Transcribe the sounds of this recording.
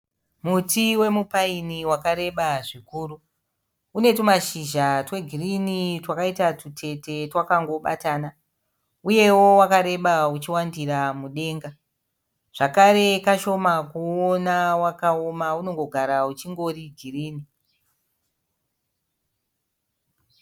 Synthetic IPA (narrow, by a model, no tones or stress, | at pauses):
mutiwe̞mupainiwakaɾe̞ɓaʐikuːru | une̞tumaʃiʒatwe̞ɡʱirinitwakaitatutʰe̞te̞twakaŋɡo̞ɓa̰taːna | uje̞wo̞wakaɾe̞ɓaut͡ʃiwandiramuɗe̞ːŋɡa | ʐ̥akaɾe̞kaʃo̞makuonawakaomauno̞ŋɡo̞ɡʱaɾaut͡ʃiŋɡo̞ɾiɡʱiriːni